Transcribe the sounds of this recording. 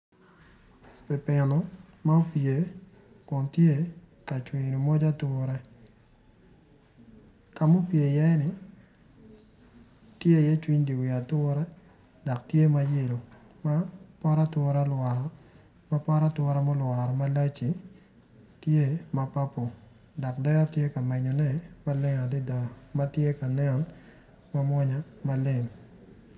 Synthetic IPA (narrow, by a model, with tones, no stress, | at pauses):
pɪ˨pɪ˨nɔ˨ | ma˦o˦pje˨ | kɔ˨ntje˦˨ | ka˨t͡ʃwi˨ɲni˨mo˦d͡ʒa˦tʊ˦ɾɛ˦ | ka˨mo˦pje˨jɛ˦nɪ˨ | tje˦˨jɛ˦t͡ʃwi˦ɲdi˨wɪ˨a˨tʊ˦ɾɛ˦ | dɔ˨k̚tje˦ma˦je˦˨lo˨ | ma˦pɔ˦ɾa˦twɔ˦ɾa˦lwa˨ɾɔ | ma˦pɔ˦ɾa˦twɔ˦ɾa˦mɔ˦lwa˨ɾɔ˨ma˦la˦t͡ʃi˨ | tje˦ma˨pa˦po˨ | dɔ˨kdɛ˦tje˦ka˨mɛ˨ɲɔ˨nɛ˦ma˦lɪ˦ŋa˨dɪ˦da˨ma˦tje˦ka˨nɛ˦ɔ˨n | ma˦mwɔ˦ɲa˦ma˦lɪ˨ŋ